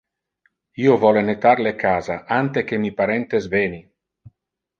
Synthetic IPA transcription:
iːovɔlenet̪arlekaːzaʔant̪ekemipaɾɛnt̪ezveːni

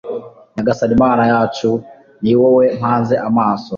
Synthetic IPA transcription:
naɡasadimanajat͡ʃu | niwɔwɛm̥anzɛʔamaːsɔ

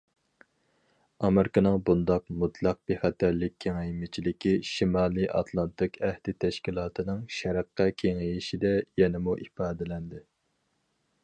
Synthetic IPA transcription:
ɑmɪɾɪkɨnɨŋbund̪ɑqmut̪ʰlˠɑq̚biχæt̪ʰæɾlɪkʲʰːeŋɛjmɪt͡ʃʰilɪkʲiʃimɑːlˠɨʔɑ̰t̪ʰlˠɑnt̪ɨkɛhd̪̥ɪt̪ʰɛʃkʲilˠɑːt̪ʰɨnɨŋʃɛɾəqʰːɑkʲʰeŋejiʃid̪ɛjɛnɪmuʔifɑːd̪ɪlɛnd̪ɪ

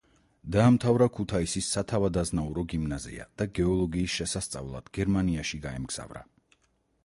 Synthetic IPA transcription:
d̪aːmt̪ʰavɾakʰut̪ʰaisisːat̪ʰavad̪aznauɾɔɡimnazḭa̰d̪̥aɡɛɔlˠɔɡiːsʃɛsast̪sʼa̰vlˠa̰d̪̥ɡ̥ɛɾmaniaʃiɡaɛmɡz̥a̰vɾa̰

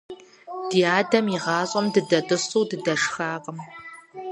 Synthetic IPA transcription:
d̥iːaːdɐmjiʁɑːɕʼɐmdɨdɐtʼɨɕuwdɨdɐʂxaːqʼəm

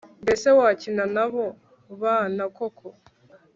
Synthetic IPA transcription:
mbe̞se̞waːcinanaβo | βaːnakokʰo

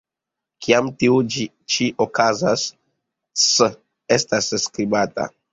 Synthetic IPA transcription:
kiamtiud͡ʒi | t͡ʃiʔokazasː | e̞stasskɾibata̰

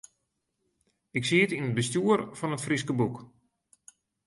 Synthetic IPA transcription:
ɪksiətinət̚bəstjuərfɔnətfriskəbuk

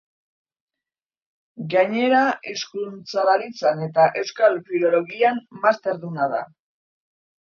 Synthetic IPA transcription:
ɡaɲe̞ɾaiskunt͡saβaɾit͡sane̞t̪aʔe̞wskalfiɾo̞lo̞ɣiammast̪e̞ɾðunaða̰

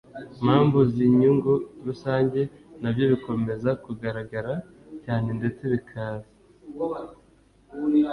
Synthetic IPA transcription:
mhaːmbuziɲuŋɡuiɾusaːɲɟe̞ | nabjo̞βiko̞me̞zakuɡaɾaɡaɾa | caːnende̞t͡se̞βikʰaːza

